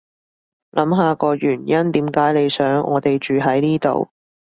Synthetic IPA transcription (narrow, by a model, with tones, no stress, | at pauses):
lʔɐ˨˥mɦaː˨˧kɔː˧jyː˨˩njɐ˥nt̪iː˨˥mkaː˨˥jle˨˧jsœː˨˥ŋʔɔ̰ː˨˧t̪e˨jt͡ʃyː˨ɦɐ˨˥jniː˥t̪o̰˨w